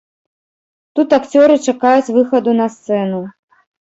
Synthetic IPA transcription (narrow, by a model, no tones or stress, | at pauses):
t̪ut̪akt͡sʲɔɾɨt͡ʂakajut͡sʲvɨxɐd̪unɐst̪sɛnu